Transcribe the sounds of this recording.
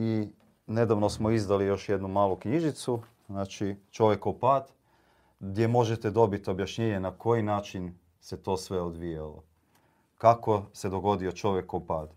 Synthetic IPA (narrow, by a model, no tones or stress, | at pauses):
i | ne̞d̪aʋnosmoizd̪alijo̞ʃje̞d̪numaːlukɲiʒit̪su | znaːt͡ʃit͡ʃo̞ʋje̞koupaːd̪ | ɡd̪je̞mo̞ʒet̪ed̪o̞bit̪o̞bjaʃɲeɲenakʰo̞jinaːt͡ʃin | se̞t̪o̞ːsʋe̞od̪ʋijalo̰ | kako̞se̞d̪o̞ɡo̞d̪io̞t͡ʃo̞ʋje̞koupaːd̪